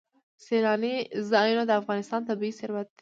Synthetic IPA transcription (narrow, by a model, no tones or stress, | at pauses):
selɑnizɑjunod̪əafɣɑnɪst̪ɑnt̪abiisɪɾwat̪̚